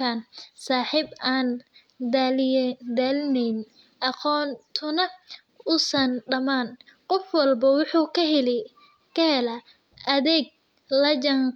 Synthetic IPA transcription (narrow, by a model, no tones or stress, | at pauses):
ansaːħiːbaːn | d̪ald̪aːlnɛjn | ʔɑqɔːnt̪ʰʊnɐ | ʊsɐnɖɐmaːnqɔfwɑlbɐwʊħuːkʰɐɦɛlɛ | kɐhɛlɐ | ʔɐðɛːɡ̚ | lɐd͡ʒɐŋ